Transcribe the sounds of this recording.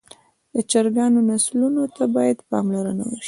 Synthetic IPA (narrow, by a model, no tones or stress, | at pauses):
d̪̥ət͡ʃaɾɡɑnonaslunot̪ʰabɑjad̪pɑmlaɾəna̰wəʃi̥